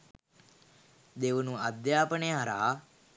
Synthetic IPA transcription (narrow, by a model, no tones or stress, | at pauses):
d̪eʋənuad̪jaːpənejəɦaɾa̰ː